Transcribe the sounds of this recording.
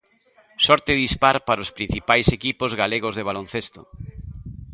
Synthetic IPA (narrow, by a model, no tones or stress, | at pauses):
sɔɾt̪eðispaɾpaɾospɾin̟θipajsekipozɣaleɣ̞ozðeβ̞alon̟θest̪o